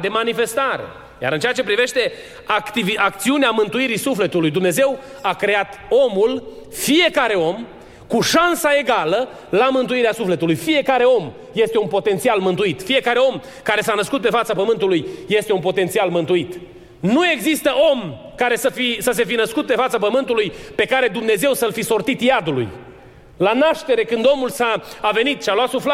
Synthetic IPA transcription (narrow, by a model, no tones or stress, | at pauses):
d̪e̞manife̞st̪aɾe̞̰ | ja̰ɾɨnt͡ʃe̞at͡ʃe̞pɾive̞ʃt̪e̞ | akt̪iviak̚t̪siuneamɨnt̪uiɾisufle̞t̪ulujd̪umne̞ze̞w | akɾe̞at̪o̞mul | fije̞kaɾe̞o̞m | kuʃansae̞ɡalə | lamɨnt̪uiɾeasufle̞t̪ulujfije̞kaɾe̞o̞m | je̞st̪e̞unpo̞t̪e̞nt̪sialmɨnt̪uit̪fie̞kaɾe̞o̞m | kaɾe̞sanəskut̪̚pe̞fat̪sapəmɨnt̪ulujːe̞st̪e̞unpo̞t̪e̞nt̪sialmɨnt̪uit̪ | nue̞ɡzist̪əʔo̞m | kaɾe̞səfisəs̬e̞finəskut̪̚pe̞fat̪sapəmɨnt̪ulujpe̞kaɾe̞d̪umne̞ze̞wsəlfiso̞rt̪it̪jad̪ulṵj | lanaʃt̪e̞ɾe̞kɨnd̪o̞mulsaːve̞nit̪ʃialwat̪sufla